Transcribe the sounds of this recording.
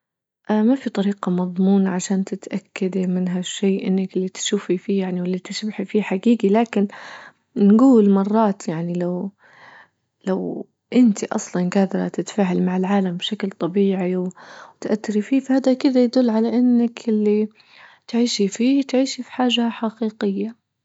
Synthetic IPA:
ʔamafit̪ˤɑɾiːqɑmɑðˤmuːnaʕaʃaːnt̪ɪt̪ʔakːad̪imɪnɦaʃːeːʔɪnːakɪlːit̪ʃuːfifiːjaʕniwɪlːit̪ɪʃbħifiːħaɡiːɡilaːkɪn | nɡuːlmɑrˤːɑːt̪jaʕnilaw | law | ʔɪnt̪iʔɑ̰sˤlɑnɡaːd̪ɑɾˤɑ̰t̪ɪt̪faːʕalmaʕɪlʕaːlambʃaklt̪ˤɑbiːʕiwwt̪ʔat̪ːɪɾifiːfahaːd̪akɪd̪ajad̪ʊlːʕalaʔɪnːakɪlːi | t̪ʕiːʃifiːt̪ʕiːʃifi̥ħaːʒaħaqiːqɪjːa

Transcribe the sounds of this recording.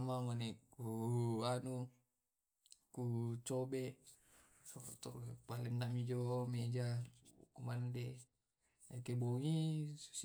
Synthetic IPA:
mamanɛkuanu | kut͡ʃobeʔ | sot̪ɔpalɛnːamid͡ʒomed͡ʒakumande | akeboŋiu̥s

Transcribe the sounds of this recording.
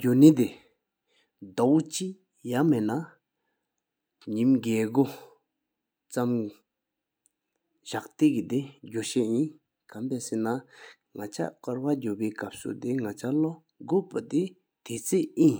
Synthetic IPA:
ɟonit̪e | d̪awt͡ɕi | jamena | ɲimɡeːɡo | t͡sam | ɕaʔt̪ekid̪eɟoɕeʔjin | kampesena | ŋat͡ɕʰa̰ʔkaɹwaɟopeːkap̚sṵt̪eŋat͡ɕʰalo | ɡoʔpat̪e | t̪ʰet͡sʰeʔjin

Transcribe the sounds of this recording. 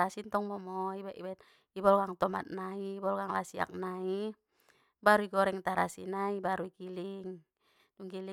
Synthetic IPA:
asint̪ɔŋmɔmɔibɛʔibɛt̪ | ibɔlɡaŋt̪ɔma̰t̪̚naiːbɔlɡaŋlasia̰k̚nai | baɾuiɡɔɾɛŋt̪aɾa̰sḭnaibaɾuikiliŋ | duŋɡili

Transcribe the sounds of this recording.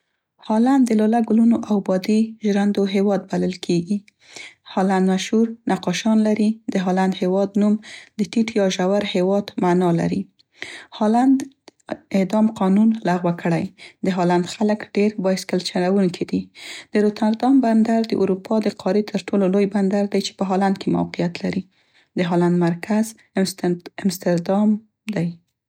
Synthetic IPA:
hɑland̪ːəlɑlaɡʊlunoʔawbɑd̪iʒɾand̪oɦewɑd̪̚baləlkʰeɡi | hɑland̪maʃhuɾnaqɑʃɑnlaɾid̪əɦɑland̪hewɑd̪numd̪̥ət̪iʈjɑʒawaɾhewɑd̪manɑla̰ɾi | hɑland̪ | ɪd̪ɑmqɑnunlaɣwakʰəɽajd̪əɦɑland̪xaləkɖeɾbɑjɪskalt͡ʃanawuŋkʰid̪id̪̥əɾot̪aɾd̪ɑmband̪aɾd̪əʔuɾupʰɑd̪əqʰɑɾit̪ʰəɾʈʰololojband̪aɾd̪ajt͡ʃe̥pəɦɑland̪̚kʰema̰wqijat̪laɾi | d̪əɦɑland̪maɾkʰaz | ɪmst̪ɪɾd̪ɑm | d̪aj

